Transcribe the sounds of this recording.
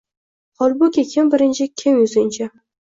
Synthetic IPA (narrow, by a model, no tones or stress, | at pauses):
χɒlˠbʊkʲekʲʰɪmbɪɾɪnt͡ʃʰɪkʲʰɪmjʊzɪnt͡ʃʰa